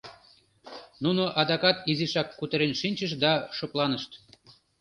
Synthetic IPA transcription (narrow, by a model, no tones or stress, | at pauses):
nunoʔɑd̪ɑkɑt̪iziʃɑkːut̪ə̆ɾenʃinʲt͡ɕəʃd̪ɑʃoplɑnəʃt̪